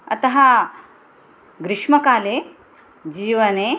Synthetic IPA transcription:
ɐ̰t̪ɐɦɐ | ɡɾɪʂmɐkaːleː | d͡ʒiːʋɐneː

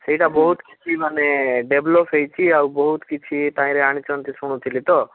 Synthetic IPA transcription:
seɦiʈabɔɦut̪kit͡ʃʰimaneɖeblɔpʰɦejt͡ʃʰiawbɔɦut̪kit͡ʃʰit̪ãĩɾeaɽ̃it͡ʃɔnt̪isuɽ̃ut̪ʰilit̪ɔ

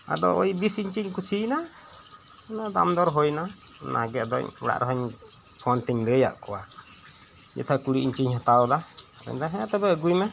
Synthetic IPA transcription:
a̰d̪ɔ̰ʔɔjbisiɲt͡ʃiɲkut͡ʃʰina | nad̪amd̪ɔɾɦɔjnana̰ɡɛʔd̪ɔ̰ɲɛɽa̰ʔɾɔɦɔɲ | pʰɔnt̪iɲdɛja̰ʔkɔwa | jɛ̰t̪ʰakuɽiʔiɲt͡ʃiɲhɔt̪awla | ɾɛ̰ɲd̪aɦɛ̃t̪ɛbɛəɡujmɛ

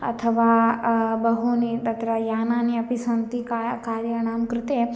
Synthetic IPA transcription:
ɐ̰t̪ʰəʋaːbɐɦunit̪ɐt̪ɾɐjaːnaːniɐpisɐnt̪ikakaːɾjɐɳ̃aːmkɾɪt̪e

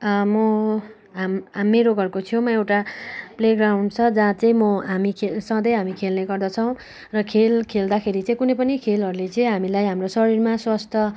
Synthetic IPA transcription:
mʌ | ɦamːeɾoɡʌrkot̪ʰijomʌewʈapleɡrawnt͡sʰʌd͡zãt͡sʌĩmʌɦamikʰesʌ̃d̪ʌjɦamikʰelneɡʌrd̪ʌt͡sʰʌw̃ | rʌkʰelkʰeld̪akʰeɾit͡sʌ̃ĩkunʌjpʌnikʰelɦʌɾulet͡sʌĩɦamilajɦamrosʌɾirmaswast̪ʰʌ

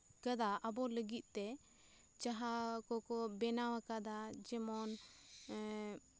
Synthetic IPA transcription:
kəd̪aʔəbɔləɡit̪̚ˀt̪ɛ | t͡ʃaɦakɔkɔbɛnawakad̪ad͡ʒɛmɔn

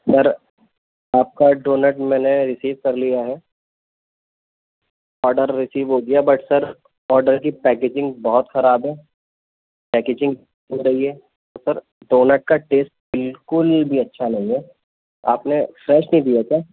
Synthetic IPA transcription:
sɐɾ | aːp̚kaɖoːnəʈmɛːneɾɪsiːʋkɐɾlijaɦɛː | ɔːɾɖəɾːɪsiːʋɦod̪ijabɐʈsɐɾ | ɔːɾɖəɾkipɛːkeːd͡ʒɪ̃ŋɡbɔɦɔt̪xɐɾaːbɦɛː | pɛːkeːd͡ʒɪ̃ŋɡ | oɾɐɦiɦɛː | ɔːɾsɐɾ | ɖoːnəʈ̚kaʈeːsʈ̚bɪlkʊlbʱiɐtːʃʰanɐɦĩɦɛ | a̰ːpnefɾɛːʃnɐɦĩd̪ijakjaː

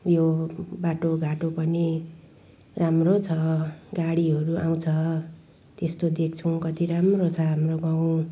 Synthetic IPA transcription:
jobaʈoɡʱaʈopʌni | ramrot͡sʰʌɡaɽiɦʌɾuʔaw̃t͡sʰʌ | t̪est̪od̪ek̚t͡sʰukʌt̪iɾamrot͡sʰʌɦamroɡaw̃

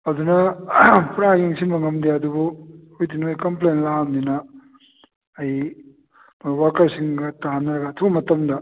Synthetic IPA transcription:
ɐd̪unɐpɾaɡiŋsimɐŋɐmd̪eɐd̪ubuojdinojkɐmplenlaɦamdinɐ | j | mojwaɾkɐɾsiŋɡɐtaɦanɐɾɐɡɐːtʰubɐmɐtɐmdɐ

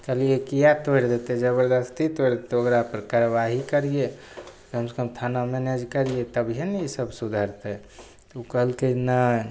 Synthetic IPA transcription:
kəliekijat̪oeɾd̪et̪ed͡ʒəbəɾd̪əst̪ʰit̪ojɾd̪et̪eokɾapəɾkaɾəʋaɦikəɾije | kəmsəkəmt̪ʰanamɛned͡ʒkəɾijet̪əbʱjenisəbsud̪ʱaɾt̪e | t̪ukəɦəlkena

